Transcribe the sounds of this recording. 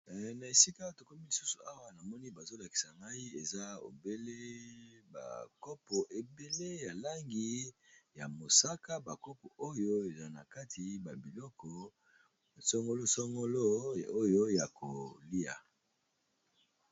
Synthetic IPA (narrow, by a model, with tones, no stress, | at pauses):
na˨e˨si˦ka˦to˨kɔ˦mi˦li˨su̥˦su˨a˦wa˦na˨mɔ˦ni˦ba˨zo˦la˨ki̥˨sa˨ŋɡa˦i˦e˨za˦o̰˨be˦le˦ba̰˨kɔ˦pɔ˨ʔe˨be˦le˦ja˨la˦ŋɡi˦ja˨mo˨sa˦ka˦ba˨kɔ˦pɔ˨ʔo˦jo˦e˨za˨na̰˨ka˦tʰi˨ba˨bi˨lɔ˦kɔ˨ | sɔ˦ŋɡo˦lo˦sɔ˦ŋɡo˦lo˦o˦jo˦ja˨ko˨li˦a̰˨